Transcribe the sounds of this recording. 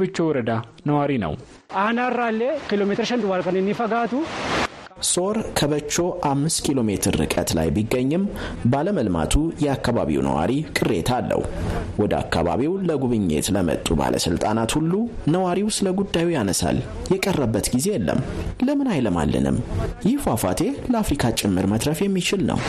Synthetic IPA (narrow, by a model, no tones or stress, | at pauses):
bɨt͡ʃːowɔɾəd̪a | nəwaɾinə̰w | ʔanarːalːekilomet̪ɨɾʃɐnd̪uwalkɐnɪnːifɐɡaːt̪u | so̞ɾkʰəβət͡ʃːo̞ʔamːɨst̪kʰilo̞met̪ʰɨɾːɨ̰kʼət̪la̰jbiɡːəɲːɨmbaləməlma̰t̪ʰujɛakːaβaβḭwnə̰wa̰ɾikʼɨrːe̞t̪ʰalːə̰hwɔd̪əa̰kːa̰βa̰βiwləɡuβɨɲːḛt̪ləmə̰t̪ʼuba̰lʔə̰sɨlt̪ʼanat̪hulːunəwaɾiwsləɡud̪ːajujanəsa̰l | jɛkʼərːəbːət̪ɡize̞jɛlːə̰mːləmɨnajləma̰lːɨ̰nɨ̰mjɪhfwafa̰t̪ʰe̞ləafɾikʰat͡ʃʼɪmːɨɾmət̪ɾəfjɛmːit͡ʃɪlnə̰w